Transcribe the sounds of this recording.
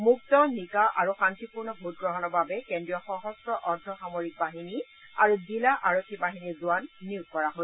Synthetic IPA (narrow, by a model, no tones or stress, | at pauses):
muk̚tɔnikaʔaɹuxantipuɹnɔbʱut̚ɡɹɔɦɔnɔbabɛkendɹijɔxɔɦɔstɔʔɔɹdʱɔxamoɹik̚baɦini | aɹuzilaʔaɹokʰːibaɦiniɹzuanːiuɡkɔɹaɦos